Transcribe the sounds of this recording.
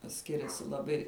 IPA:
ˈsʲkʲɪrʲɛsʲɪ lˠɐˈbɐɪ

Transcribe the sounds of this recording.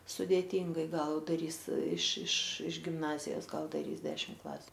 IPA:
sʊdʲeːˈtʲiːŋɡɐɪ ˈɡɐlˠ dɐˈrʲiːs ɪʃ ɪʃ ɪʃ ɡʲɪmˈnɑːzʲɪjoːs ˈɡɐlˠ dɐˈrʲiːs ˈdʲæːʃʲɪm ˈklˠɑːsʲʊ

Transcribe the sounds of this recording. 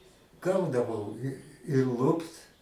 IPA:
ˈɡɐʊdɐʋɐʊ ɪ ɪ ˈlˠʊpt

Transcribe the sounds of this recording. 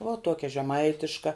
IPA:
ʋuɔ ˈtuɔkʲɛ ʒʲɛˈmɐɪtʲɪʃkɐ

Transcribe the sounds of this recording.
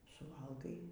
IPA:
sʊˈʋɐlˠɡɐɪ

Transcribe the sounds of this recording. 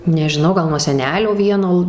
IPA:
nʲɛʒʲɪˈnɐʊ ˈɡɐlˠ nuɔ sʲɛˈnʲæːlʲoː ˈʋʲiɛnoː

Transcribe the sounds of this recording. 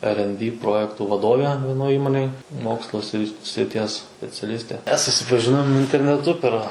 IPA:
ɛr ɛn bʲiː ˈproːjɛktuː ʋɐˈdoːʋʲɛ ʋʲiɛˈnoːj ˈiːmoːnʲeːj ˈmoːkslˠoː sʲrʲɪ sʲrʲɪˈtʲiɛs sʲpʲɛt͡sʲɛˈlʲɪsʲtʲeː ˈmʲɛs sʊsʲɪpɐˈʒʲɪnoːm ɪnʲtʲɛrʲnʲɛˈtʊ pʲɛr

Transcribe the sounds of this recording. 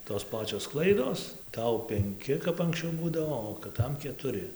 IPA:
toːs ˈpɑːt͡ʃʲoːs ˈklˠɐɪdoːs ˈtɐʊ pʲɛŋʲˈkʲɪ kɐp ɐŋksʲˈt͡ʃʲɛʊ ˈbuːdɐʋoː oː kɨˈtɐm kʲɛtʊˈrʲɪ

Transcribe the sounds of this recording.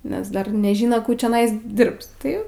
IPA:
nʲɛs ˈdɐr nʲɛˈʒʲɪnoː ˈkuː t͡ʃʲoːˈnɐɪs ˈdʲɪrps ˈtɐɪ

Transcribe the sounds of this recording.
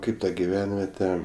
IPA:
ˈkɐɪp tɐ ɡʲɪˈʋʲɛnʲʋʲiɛtʲɛ

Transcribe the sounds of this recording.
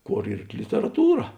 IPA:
ˈkoːr ˈiːr lʲɪtʲɛrɐˈtuːrɐ

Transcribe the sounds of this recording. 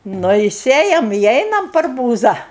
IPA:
ˈnʊ ɪ ˈsʲeːjɛm ɪ ˈɛɪnɐm pʲɛr ˈbuːzɐ

